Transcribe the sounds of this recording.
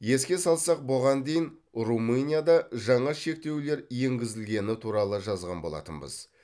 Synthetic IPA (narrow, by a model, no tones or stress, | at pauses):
je̞skʲe̞sɑlˠsɑq̚boʁɑnd̪e̞jɪnrumɨnʲijad̪ɑʒɑɴɑʃe̞k̚t̪e̞wle̞ɾje̞ŋɡʲɪzɪlɡʲe̞nɪt̪ʰuɾɑlˠəʒɑzʁɑ̰nbo̞lˠɑ̰t̪ənbə̰z̥